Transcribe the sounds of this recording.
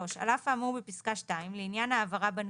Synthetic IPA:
oʃa̰lafaːmubepiskaʃtaimleinjanaːvaʁaban

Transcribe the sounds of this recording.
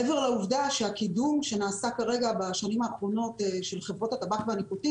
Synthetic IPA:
eve̞ʁlauvdaʃeakidumʃe̞naːsakaʁe̞ɡabaʃanimaːχʁo̞no̞teʃe̞lχevʁo̞tatabaχveanikuti

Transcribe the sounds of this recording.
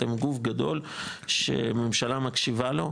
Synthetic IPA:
emɡufɡad̪o̞lʃḛme̞mʃalamakʃivalo̞

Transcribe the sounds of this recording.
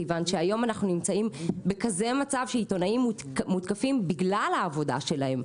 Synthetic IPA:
ejvanʃeajo̞manaχnunimt͡saimbekaze̞mat͡savʃeito̞naimːut | mut̪kafimbiɡlalhaːvo̞da̰ʃe̞lahe̞m

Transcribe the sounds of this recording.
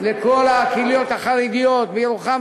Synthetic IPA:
leko̞lhaːkiljo̞t̪haχaʁiɡijo̞t̪vejiɾuχa

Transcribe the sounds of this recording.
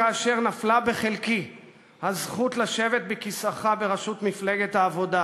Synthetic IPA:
aːʃe̞ʁnaflabeχelki | hazχut̪laʃe̞vet̪̚bekisaχabeʁaʃut̪mifle̞ɡet̪haːvo̞d̪a

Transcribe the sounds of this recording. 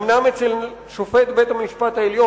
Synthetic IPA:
mnamet͡sel | ʃofet̪bet̪amiʃpat̪aeljo

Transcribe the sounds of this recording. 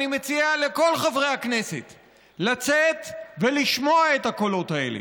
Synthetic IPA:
nimet͡siale̞ko̞lχavʁejhakne̞set | lat͡set̪veliʃmo̞ae̞t̪hako̞lo̞taḛlḛ

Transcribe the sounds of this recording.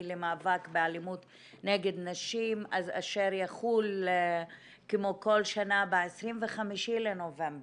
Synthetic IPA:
lemaːvakbealimut | neɡed̪naʃimazaʃeʁjaχul | kemokolʃanabeesʁimveχamiʃilenovemb

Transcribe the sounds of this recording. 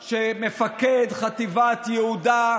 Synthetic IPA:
ʃemefaked̪χat̪ivat̪jɛhuda

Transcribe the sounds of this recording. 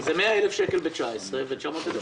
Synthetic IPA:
zemeaelefʃekelbet͡ʃaesʁevet͡ʃamot̪ed̪o

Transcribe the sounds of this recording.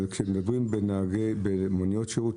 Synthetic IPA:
lkʃemed̪abʁimbenaaɡebemonjotʃeut

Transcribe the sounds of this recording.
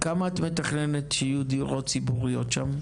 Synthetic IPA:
kamaat̪met̪aχnenet̪ʃeijud̪iuʁo̞t̪t͡sibuʁijot̪ʃam

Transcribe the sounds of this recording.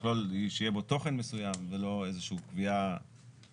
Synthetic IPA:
loliʃejebo̞to̞χe̞nmesujamvelo̞e̞zeʃuukvia

